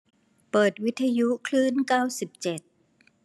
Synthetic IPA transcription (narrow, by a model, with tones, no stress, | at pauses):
pɤː˨˩t̪̚wi˦˥t̪ʰːa˧ju˦˥kʰlɯː˥˨nkaː˥˩wsi˨˩p̚t͡ɕe˨˩t̪̚